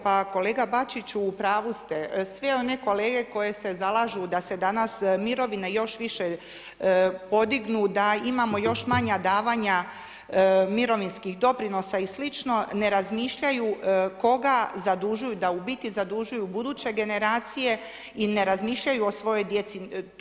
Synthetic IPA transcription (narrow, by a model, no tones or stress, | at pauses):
pako̞leːɡabat͡ʃit͡ɕuːpɾaːʋust̪e̞sʋeo̞ne̞ko̞leːɡe̞ko̞je̞se̞zalˠaʒud̪ase̞d̪anasmiɾo̞ʋinejo̞ʃʋiʃe̞ | po̞d̪iɡnud̪aimamo̞jo̞ʃmaɲad̪aːʋaːɲa | miɾo̞ʋinskixd̪o̞pɾino̞saislit͡ʃno̞ne̞ɾazmiːʃʎajuko̞ɡazad̪uʒujud̪aubit̪izad̪uʒujubud̪uːt͡ɕe̞ɡe̞neɾaːt̪sije̞ | ine̞ɾazmiːʃʎajuosʋo̞jo̞jd̪je̞t̪si